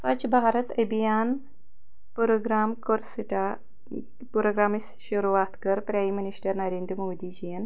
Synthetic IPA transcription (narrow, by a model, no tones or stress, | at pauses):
sɐt͡ʃbʱaːɾɐt̪ɐbijaːn | pɾoɡɾaːmkoɾsiʈa | puɾoːɡɾaːmis | ʃuɾuʋaːt̪kɐɾpɾaːjminiʃʈɐɾnɐɾeːnd̪ɾəmoːd̪id͡ʒijɐn